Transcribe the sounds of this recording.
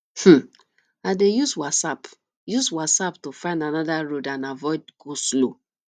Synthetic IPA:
h̩ | adejuswasap | juswasaptofãɪ̃ndanɔdaɹodãnavɔɪdɡoslo

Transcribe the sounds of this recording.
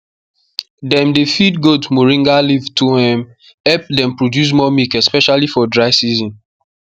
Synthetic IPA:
dɛ̃mdefidɡodmoɹĩŋɡalivtuhɛ̃m | ɛp̚dɛ̃mpɹodjus̬mɔmikɛspɛʃalifɔdɹaɪsizɔ̃n

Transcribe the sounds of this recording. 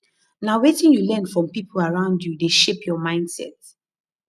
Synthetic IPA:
naʊwetĩnjulɛ̃nfɹɔ̃mpipʰəlaɹãʊ̃ndjudeʃepjɔmãɪ̃nd̥sɛ̰t

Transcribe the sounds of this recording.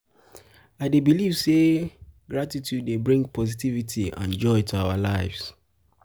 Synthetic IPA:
aɪdebiliv̥seɡɹatitʰjudːebɹĩŋɡpʰɔzitivitʰiã̰nd͡ʒɔɪtʰuawalaɪvz

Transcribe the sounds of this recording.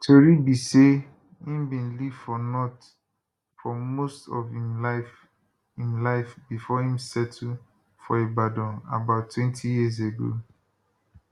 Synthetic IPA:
tʰoɹibise | hĩmbĩnliv̥fɔnɔt | fɔmostɔvila | ĩmlaɪfbifɔhĩmsɛtʰu | fɔebadɔ̃na̰baʊtʰːwɛ̃ntʰijiəz̬eɡo̰

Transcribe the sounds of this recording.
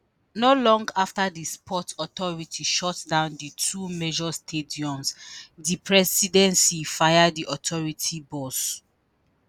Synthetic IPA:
nolɔ̃ŋɡaftadispʰɔtɔtɔɹitʰiʃɔtdãʊ̃nditʰumed͡ʒɔstʰediɔ̃nsdipʰɹɛsidɛ̃nsifajaddiʔɔtʰɔɹitʰibɔs

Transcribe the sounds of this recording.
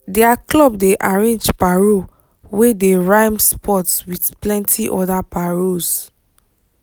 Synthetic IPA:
dɛaklɔbdeʔaɹẽnd͡ʒpaɹo | wedeɹãɪmspʰɔtswidplɛ̃ntʰiʔɔdapaɹoz

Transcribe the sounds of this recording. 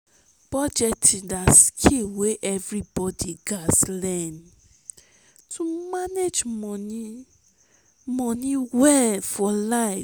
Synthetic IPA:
b̥ɔd͡ʒɛtidaskʰiweʔɛvɾibɔdiɡaslɛ̃n | tʰumaned͡ʒmɔ̃ni | mɔ̃nĩwɛlfɔlaɪ

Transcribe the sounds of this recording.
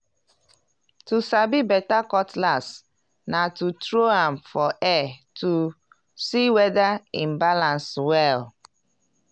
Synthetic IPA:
tusabibɛtakɔtlas | natutɹoãmfɔʔɛtu | siwɛdaĩmbalãnswɛl

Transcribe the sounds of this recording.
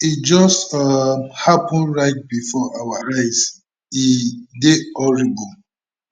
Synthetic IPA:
itd͡ʒɔstahapɔ̃nɹaɪt̚bifɔʔawaɹaɪz | ideɔɹibɔ

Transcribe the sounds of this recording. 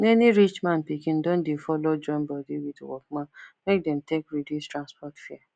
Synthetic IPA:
neniɾit͡ʃmãnpikĩn̩dõn̩difɔlod͡ʒɔm̩bɔdiwituwɔ̰kmãmek̚dɛ̃m̩tekɾedustɾanspɔtfia

